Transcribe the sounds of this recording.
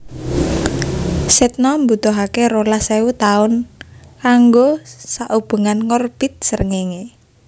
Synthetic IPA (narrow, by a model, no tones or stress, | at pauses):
sɛt̪̚nɔmbut̪ɔɦakeɾolaseut̪aʊnkaŋɡosaʔub̥ə̤ŋanŋɔrb̥ɪt̪̚sərŋeŋe